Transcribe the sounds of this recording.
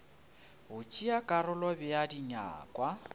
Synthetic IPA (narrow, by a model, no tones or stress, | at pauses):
ɦʊt͡ʃʼiakʼarʊlɔbɪjadiɲa̰ːkʼwa